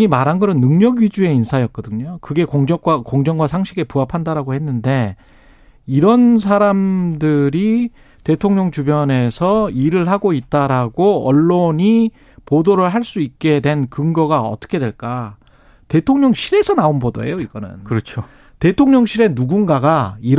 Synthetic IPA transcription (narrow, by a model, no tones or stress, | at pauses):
imaɾɦanɡʌnɯnːɯŋɲʌɡɥid͡ʑue̞insʰajʌk͈̚ʌdɯɲɲokɯɡe̞koŋd͡ʑʌɡwakoŋd͡ʑʌŋɡwasʰaŋɕʰiɡe̞puɦapʰandaɾaɡohe̞nːɯnde̞ | iɾʌnsʰaɾamdɯɾi | te̞tʰoŋɲʌŋt͡ɕubjʌne̞sʰʌiɾɯɭhaɡoit̚t͈aɾaɡoʌ̰ɭːoɲi | podoɾɯɭɦaɭs͈uik̚k͈e̞dwe̞nkɯŋɡʌɡaʌ̰t͈ʌ̥kʰe̞dwe̞ɭk͈a | te̞tʰoŋɲʌŋɕʰiɾe̞sʰʌnaonbodo̰ḛjoiɡ̥ʌnɯ̰nkɯɾʌt͡ɕʰo | te̞tʰoŋɲʌŋɕʰiɾe̞nuɡunɡaɡaiɾ